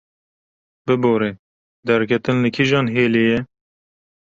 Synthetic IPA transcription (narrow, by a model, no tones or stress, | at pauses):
bɨboːɾeː | d̪ɛɾkʰɛt̪ɨnːɨkʰiʒɑːnɦeːleːjɛ